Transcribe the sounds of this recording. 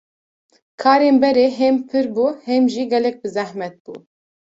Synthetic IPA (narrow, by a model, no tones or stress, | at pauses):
kʰɑːɾeːnbɛɾeːɦɛmpʰɨɾbuːhɛmʒiːɡɛlɛk̚bɨzɛhmɛt̪̚b̥ṵː